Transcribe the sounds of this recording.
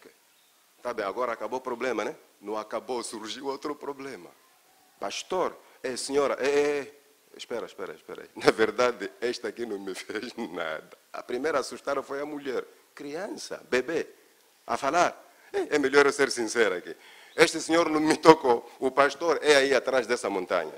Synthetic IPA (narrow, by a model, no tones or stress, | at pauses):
oke | t̪abẽj̃aɡɔɾɐːkabopɾoblẽmɐnɛ̃ | nɐ̃w̃akabosuɾʒiuot̪ɾʊpɾoblẽmɐ̰ | paʃt̪oɾ | ɛseɲoɾɐʔɛ | ḛʃpɛɾɐ̰ʃpɛ̰ɾɐ̰iʃpɛ̰ɾɐ̰inɐveɾd̪ad̪ɪɛʃt̪akinɐ̃w̃mɪfezna̰d̪ɐɐ̰pɾimejɾɐːsuʃt̪aɾɐfojɐmuʎɛɾ | kɾiɐ̃sɐ̰bebe | a̰falaɾ | ɛɛmeʎoɾseɾsĩsɛɾɐkɪ̰ | eʃt̪ɪseɲoɾnɐ̃mɪt̪okoupaʃt̪oɾɛaiat̪ɾaʒd̪ɛsɐmõnt̪ã̰ɲɐ̰